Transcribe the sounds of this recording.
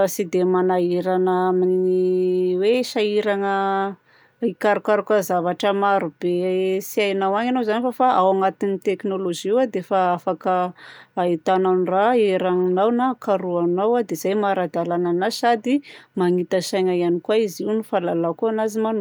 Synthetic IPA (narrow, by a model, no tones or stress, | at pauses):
sid̪emanaeɾanaamininiweʃaiɾaŋə | ikaɾukaɾukazavaʈ͡ʂəmaɾub̥esiajnawaŋanozanifafaʔawaŋat̪init̪eknoloʒiiwad̪efaafakəait̪ananiraeɾaŋinawnakaɾuanawad̪ez̥ajmaɾad̪alananasad̪imaŋit̪aʃajŋajanikwaiziwnifalalakuanaziman